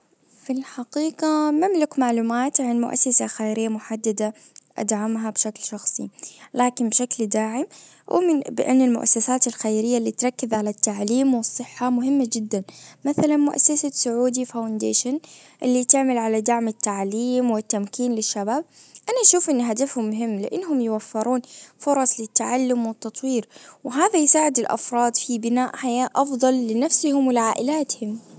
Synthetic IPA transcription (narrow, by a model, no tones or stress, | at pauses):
fɪlħaqiːqɑmamlɪkmaʕluːmaːt̪ʕanmʊ̰ʔa̰sːasaxajɾɪjːamʊħad̪ːad̪a | ʔa̰d̪ʕamɦabʃaklʃɑxsˤḭlaːkɪnbʃakld̪aːʕɪm | wɪ̰mɪbɪʔɪ̰nːɪlmʊ̰ʔa̰sːasaːt̪ɪlxajɾɪjːalːiːt̪ɾˤɑkːɪzʕalat̪ːaʕliːmwɨsˤːɨħːamʊɦɪmːad͡ʒɪd̪ːanmaθalanmʊʔa̰sːasasʊʕuːd̪ifawnd̪ḛːʃanʔɪlːit̪ɪʕmalʕalad̪aʕmɪt̪ːaʕliːmwɪt̪ːamkiːnlɪʃːabaːb̚ʔanaʔʃuːfʔɪnːɦad̪afhʊmːʊɦɪmːlɪʔɪnːɦʊmjɪwafːɪɾuːnfʊɾˤɑsˤlɪt̪ːaʕalːʊmwɪt̪ːɑt̪ˤwiːɾwɪɦaːðajsaːʕɪd̪ɪlʔɑ̰fɾˤɑːd̪ˤfibɪnaːʔħajaːʔʔɑfðˤɑlːɪnafsɪhʊmwɪlɪʕaːʔɪlaːt̪hʊm